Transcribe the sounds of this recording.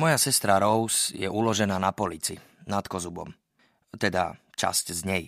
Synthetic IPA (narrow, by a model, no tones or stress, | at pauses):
mɔjasɛst̪ɾaɾɔʊsjɛʔulɔʒɛnaːnapɔlit͡sḭ | nat̪kɔzubɔ̰m | t̪ɛd̪a̰ | t͡ʃa̰sczɲɛj